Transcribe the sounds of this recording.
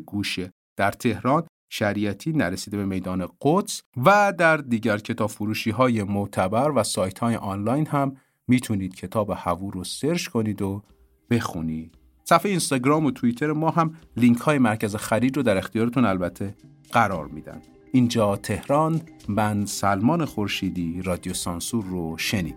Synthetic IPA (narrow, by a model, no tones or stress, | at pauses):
ɡuːʃe | d̪̥æɾt̪ʰe̞hɾɒːn | ʃæɾijæt̪ʰiːnæɾesiːd̪e̞be̞me̞jd̪ɒːne̞ɢ̥ot̪svæd̪æɾd̪iːɟæɾcʰe̞t̪ʰɒːb̥fuɾuːʃiːɦɒːje̞mot̪ʰæbæɾvæsɒːjt̪ʰhɒːjḛʔɒnlɒːjnhæmː | iːt̪ʰuniːd̪̥cʰe̞t̪ʰɒːbehævuːɾose̞ɾʃkʰo̞niːd̪o | b̥e̞xṵniːd̪̥ | sæfejeiːnst̪ɒɟɾɒːmot̪ʰuit̪ʰe̞ɾemɒːɦæmliŋcʰhɒːje̞mæɾcʰæzexæɾiːd͡ʒɾod̪æɾe̞xt̪ijɒːɾet̪unælbæt̪ʰːe̞ | ɢ̥æɾɒ̰ːɾmiːd̪æ̰nd̪̥ | ʔind͡ʒɒːt̪ʰe̞hɾɒnbænsælmɒːnexoɾʃiːd̪iːɾɒːd̪ijosɒnsuɾːoʃe̞niːd̪̥